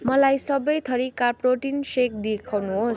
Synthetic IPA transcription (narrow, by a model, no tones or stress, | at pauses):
mʌlajsʌbʌjt̪ʰʌɾikarproʈinsek̚d̪ekʰawnuɦos